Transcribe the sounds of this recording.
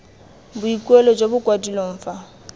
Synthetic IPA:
bʊikʼwelɔd͡ʒobʊkwadiloɱ̩ːfa

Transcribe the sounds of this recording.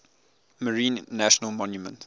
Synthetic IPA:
məɹĩːnːæʃənəlmɔ̃njumə̰̃nt

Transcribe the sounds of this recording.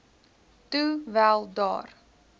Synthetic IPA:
tuvælˠdɑ̰ːr

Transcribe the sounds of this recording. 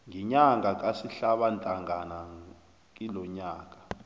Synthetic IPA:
ŋɛɲaŋɡʱak̬ʼasiɬaɓantʼaŋʱana | k̬ʼilɔɲaːk̬ʼḁ

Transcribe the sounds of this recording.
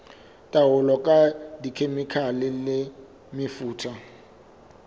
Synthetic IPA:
tʼawʊlɔkʼadikʰemɪkʰalɪlɪ | mɪfuːtʰa

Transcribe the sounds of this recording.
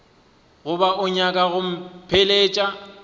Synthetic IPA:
ɣʊbaʊɲakʼaɣʊm̩pʰɪleːt͡ʃʼa

